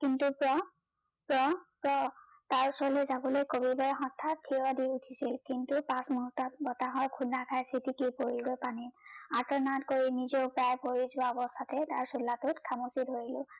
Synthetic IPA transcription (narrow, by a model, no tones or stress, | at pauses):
kintupɹɔ | pɹɔpɹɔ | taɹsɔlɛzabɔlojkobibɔɹɦɔtʰːatʰiɔdiutʰisilkintupãsmuɦutːɔt̚bɔtaɦɔjkʰunakʰajsitikipoɹilɡojpaninatɔɹnatkoɹinizɔʊpɹajpoɹizʊwaɔbɔst̪ʰatɛtaɹsulːatʊtkʰamusidʱoɹilʊ̃